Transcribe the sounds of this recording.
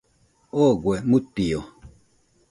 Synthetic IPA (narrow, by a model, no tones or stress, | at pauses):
ɔɡwɛmutijɔ